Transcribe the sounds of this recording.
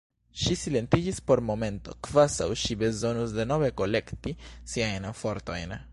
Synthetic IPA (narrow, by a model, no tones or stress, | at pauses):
ʃisile̞nt̪id͡ʒispo̞ɾmo̞me̞nto̞̰kvaza̰wʃibe̞zo̞nusde̞no̞ve̞ko̞le̞ktisiajnfo̞ɾto̞̰jn